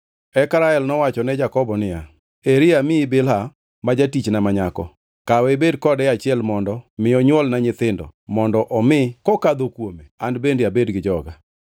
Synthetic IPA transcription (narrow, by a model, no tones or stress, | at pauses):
ɛkɾaɛlnɔwat͡ʃɔnɛd͡ʒakɔbɔnɪja | eɾɪamɪːbɪlɦa | mad͡ʒatit͡ʃnamaɲakɔ̰ | kawɛbedkɔdɛat͡ʃɪɛlmɔndɔmɪɔɲwɔlnaɲɪt̪ɪndɔ̰mɔndɔʔɔmɪkɔkad̪okwomeandbendeabedɡɪd͡ʒɔɡa